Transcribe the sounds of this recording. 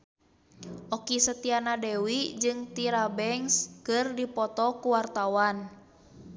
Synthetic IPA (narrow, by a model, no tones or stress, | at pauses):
ʔɔkisət̪ianadɛwid͡ʒɨŋt̪iɾabɛŋskɨrdipɔt̪ɔkuwart̪awan